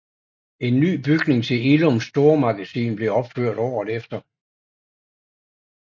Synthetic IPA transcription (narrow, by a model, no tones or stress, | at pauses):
e̝nːy̰ːb̥yɡ̥ne̝ŋt͡sʰe̝lelomsd̥o̝ɐmɑ̈ɡ̥æsḭːnb̥le̝ɒ̽b̥føɐ̰ɾ̥ɒ̰ʊɒðˠefd̥ɐ